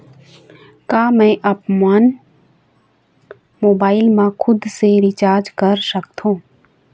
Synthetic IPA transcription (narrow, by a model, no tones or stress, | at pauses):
kaːmɛ̃ʔɐpmaːn | moːbaːɪlmãkʰʊd̪seɾɪt͡ʃaːɾd͡ʒkəɾsəkt̪ʰõː